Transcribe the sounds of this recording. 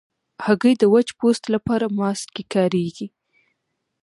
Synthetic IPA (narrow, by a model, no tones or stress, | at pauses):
haɣəjd̪əwat͡ʃpost̪lapɑɾamɑst̪kekɑɾeɡi